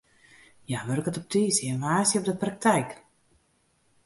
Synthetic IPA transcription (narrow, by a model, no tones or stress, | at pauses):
jaʋørkətɔp̚tiːsəʋaːsjəɔp̚dəprak̚tʰɛjk